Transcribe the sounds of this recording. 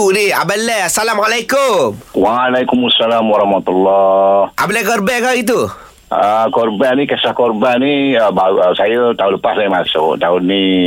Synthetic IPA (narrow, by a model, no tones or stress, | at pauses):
nia̰bəlːeasalamalajkumwaːlakumasːalamwaɾahmat̪ulːɔha̰blekəɾbekaɡit̪̬u | əkɔrbanikɛsahkɔɾbaniəbasajət̪aunləpaslaimasot̪aunnːi